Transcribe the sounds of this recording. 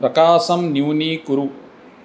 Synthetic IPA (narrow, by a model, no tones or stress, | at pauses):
pɾɐkaːʃɐmnjuwniːkuɾu